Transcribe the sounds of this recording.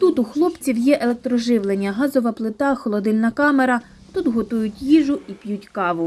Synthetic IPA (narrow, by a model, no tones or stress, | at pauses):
t̪ut̪uxlˠɔpt͡sʲiwjɛʔelˠek̚t̪ɾɔʒɪwlˠenʲːɐɦɑzɔʋɐplˠɪt̪ɑxɔlˠɔd̪ɪlʲnɐkɑmeɾɐ | t̪ut̪ɦɔt̪ujʊtʲjiʒʊʔipjutʲkɑʋʊ